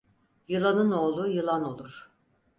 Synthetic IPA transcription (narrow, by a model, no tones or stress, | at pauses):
jɯlˠanɯno̞ːlˠujɯlˠano̞lˠuɾ̥